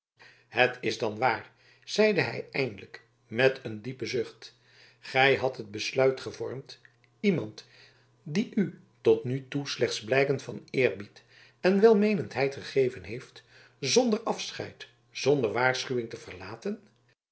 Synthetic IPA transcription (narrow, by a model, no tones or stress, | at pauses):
hətɪzdɑnʋaːɹ | z̥ɛjdəɦɛ̰jɛjndələk | mɛtəndipəzʏχt | χɛjɦɑtɦəd̚bəslœɥtχəvɔɹmt | imɑnt | diʔy | tɔtnytuslɛχtzblɛjkəntfɑ̰nɪːɹbit | ɛnʋɛlˠmejnəntɦɛjtχəχejvənɦejft | zɔndəɹɑfsχɛ̰jt | z̥ɔndəɹʋaːɹsχyʋɪŋtəvəɹlaːtən